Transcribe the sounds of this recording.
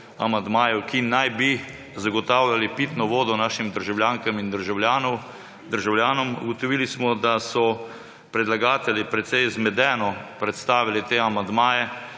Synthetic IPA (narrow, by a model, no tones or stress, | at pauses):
a̰mand̪maːjɛwkinajbi | zaɡɔt̪aːwlʲalipiːt̪nɔʋoːd̪ɔnaːʃimd̪əɾʒawljaːŋkəmind̪əɾʒawlaːnɔ | d̪əɾʒawljaːnɔmṵɡɔt̪ɔʋiːlismɔd̪asɔ | pɾɛd̪laɡaːt̪ɛljipɾɛt̪sɛjzmɛd̪ɛːnɔpɾɛt̪st̪aːʋilit̪eːamand̪maːjɛ